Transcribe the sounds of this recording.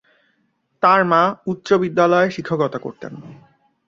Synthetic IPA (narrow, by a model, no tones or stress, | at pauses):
t̪aɾmãut̪ːɾobid̪ːalɔeʃikʰːokɔt̪ako̰ɾt̪ḛn